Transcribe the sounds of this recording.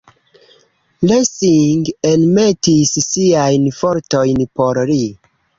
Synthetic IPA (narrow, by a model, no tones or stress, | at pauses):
lesiŋɡenmetisːiajnfoɾto̞jnpo̞ɾli